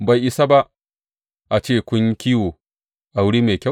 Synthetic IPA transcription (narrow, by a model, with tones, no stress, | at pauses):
ba˨jʔi˨sa˦ba˦ʔ | ʔa˨t͡ʃeː˦˨kʷʊ˦ŋkʲiː˦woː˨ | ʔa˨wʊ˦ɽiː˦meː˨kʲɐ˦